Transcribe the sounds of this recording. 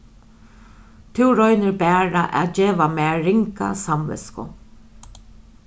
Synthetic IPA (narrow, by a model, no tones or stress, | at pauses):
t̪ʰɪwɾɔjnɪɾbɛːɾaʔɛ̰ːtd͡ʒeːʋamɛːɪŋka̰samvɪ̰skʊ̰